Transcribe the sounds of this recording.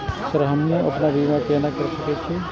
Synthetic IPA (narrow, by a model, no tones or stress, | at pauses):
sɐɾɦɐmneʔɐpnaʋiʋakeːnakɐɾsɐket͡ʃʰe